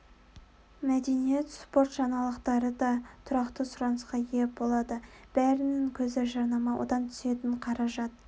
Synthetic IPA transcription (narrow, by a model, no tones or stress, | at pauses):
mæd̪e̞nije̞t̪spo̞rt̪ʒɑnɑlˠəqt̪ɑɾəd̪ɑt̪ʰʊɾɑqt̪əsʊɾɑnəsqɑjep̚bo̞lˠɑd̪ə | b̥æɾɪnɪŋkʲʰɵzeʒɑɾnɑmɑwʔo̰d̪ɑmt̪ʰʏ̥se̞t̪ɪɴqʰɑɾɑʒɑt̪̚